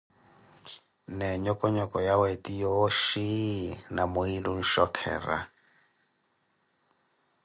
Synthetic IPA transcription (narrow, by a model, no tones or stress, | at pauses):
nɛɲɔkʼɔɲɔkʼɔjawetʼijɔʃinamʊilun̩ʃɔkʰɛ̰ːra̰